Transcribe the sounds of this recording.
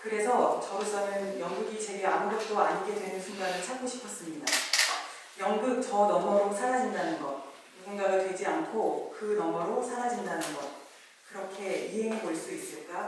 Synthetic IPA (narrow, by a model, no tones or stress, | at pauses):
kɯɾe̞sʰʌt͡ɕʌɡɯs͈ʰʌnɯnjʌŋɡuɡit͡ɕe̞ɡeamuɡʌt̚t͈oaɲiɡe̞dwe̞nɯnsʰuŋɡanɯɭt͡ɕʰak͈oɕʰi̥pʰʌs͈ɯmɲida | jʌŋɡɯk̚t͡ɕʌnʌmʌɾosʰaɾad͡ʑindanɯnɡʌt | muɡunɡaɡatwe̞d͡ʑiankʰokɯnʌmʌɾosʰaɾad͡ʑindanɯnɡʌt̚ | kɯɾʌkʰe̞iɦe̞ŋekʌɭs͈uis͈ɯɭk͈a